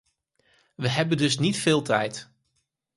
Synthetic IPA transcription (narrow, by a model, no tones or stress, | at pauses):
ʋəɦɛbəndɵsnitfɪːlˠtʰɛjt